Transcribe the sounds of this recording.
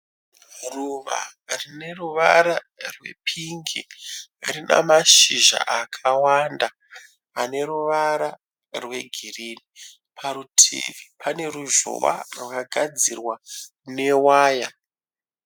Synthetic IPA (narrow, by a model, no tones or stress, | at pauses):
ruʋa̰rine̞ruʋaɾa | rwe̞̰pʰiŋɡḭrina̰maʃiʒa̰ʔakʰawanda | ane̞ɾuʋaɾa | rwe̞ɡʱiriːni | pʰaɾutʰḛʋipʰane̞ɾuʒo̰wa̰rwakaɡʱad͡zirwa | ne̞waːja